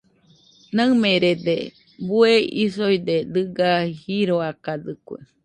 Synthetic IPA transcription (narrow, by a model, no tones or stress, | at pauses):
naɨmẽɾed̪e | bueḭsojd̪ed̪ɨɡahiɾoakad̪ɨkʷḛ